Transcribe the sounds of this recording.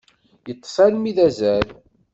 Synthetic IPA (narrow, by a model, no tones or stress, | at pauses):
jət̪ˤːsˤælmiðæzæɾ